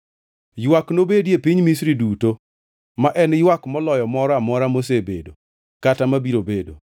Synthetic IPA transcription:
jwaknobedjepiɲmis̬ɾiduto | maʔɛnjwakmɔlɔjɔmɔɾɔamɔɾamos̬ebḛdo | katamabiɾobedo̰

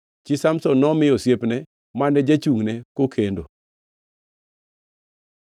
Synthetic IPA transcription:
t͡ʃɪsamsɔnɔmɪjɔsjepnɛ | manɛd͡ʒat͡ʃuŋnɛkokʰendo

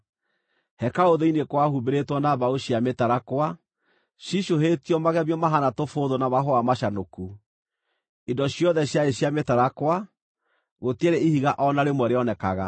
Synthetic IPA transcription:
hɛkaoðeinekwahubeɾetwɔnaβaoɕjametaɾakwa | ɕiʃoɦetiɔmaɣɛβjɔmaɦanatofoðonaβaɦoamaʃanoku | indɔɕijɔðɛɕjaeɕjametaɾakwa | ɣoteɾeihiɣaʔɔnaɾemwɛɾeɔnɛkaɣa̰

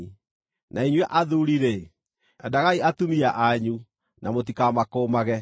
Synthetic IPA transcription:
nʔaiɲwɛʔaðuɾiɾe | adaɣaiatumiaʔaɲu | namot̬ikamakoːmaɣɛ

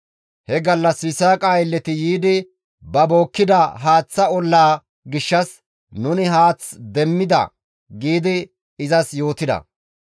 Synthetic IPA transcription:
hɛɡɐlːɐsɪsaːkʼaːjlːɛt̪ɪjiːd̪ɪ | bɐboːkːɪd̪ɐɦaːt͡sːɐɔlːaː | ɡɪʃːɐs | nʊnɪɦaːt͡sd̪ɛmːɪd̪ɐ̰ | ɡiːd̪ɪ | ɪzɐsjo̞ːt̪ɪd̪ɐ̰

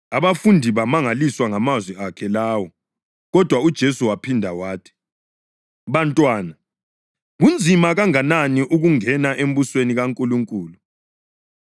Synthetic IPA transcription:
aβafundʱiβamaŋaliswaŋamazwɛakʰɛlaːwɔ | ɣɔd̥ʱwaud̥ʒ̥ʱesuwapʰindʱawaːtʰi̥ | βantʼwaːna | ɣund͡zʱimaɣaŋananiʔuɣuŋɛnaʔem̩busweniɣaŋkʼuluŋkʼuːlu

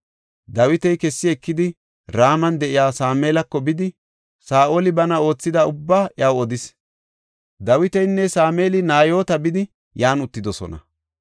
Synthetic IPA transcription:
d̪ɐwɪt̪ɛjkɛsːɪɛkːɪd̪ɪ | ɾaːmɐnd̪ɛʔɪjaːsaːmeːlɐkːɔbɪd̪ɪ | saːʔoːlɪbɐnɐo̞ːt͡sːɪd̪ɐʊbːaːʔɪawɔd̪ɪs | d̪ɐwɪt̪ɛjnːɛsaːmeːlɪnaːjo̞ːt̪ɐbɪd̪ɪ | jaːnʊt̪ːɪd̪ɔsɔ̰nɐ̰

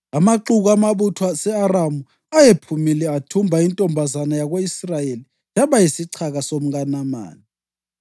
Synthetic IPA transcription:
amaǃuɣamaβutʰwasɛaramu | ajepʰumilɛatʰumbʱaintʼɔmbʱazanajaɣoisrajeli | nd͡ʒʱaβajisiǀʰaɣasom̩ɣanama̰ːni

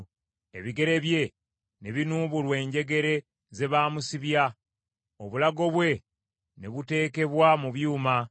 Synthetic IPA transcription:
e̞̰βiɡe̞ɾe̞βje̞ | neβinuːβulwe̞ːɲɟe̞ɡe̞ɾe̞ | ze̞βaːmusiβja | oβulaɡo̞βwe̞ | ne̞βute̞ːke̞βwamuβjuːma

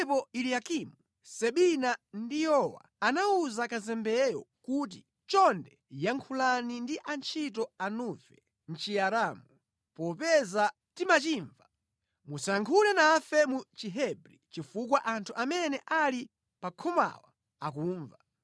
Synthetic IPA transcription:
pɔiliakimu | sɛɓinandijɔwa̰anauzakazɛmbɛjɔ̰kut̬i | t͡ʃɔndɛ | jaŋkʰulanindiʔant͡ʃʰit̬ɔanuvɛ | n̩t͡ʃiaɾaːmu | pɔpɛza | timat͡ʃiːɱva | musaŋkʰulɛnafɛmut͡ʃiɦɛbɾit͡ʃifukwaʔantʰuʔamɛnɛʔali | pakʰɔma̰wa | ak̬uːɱva

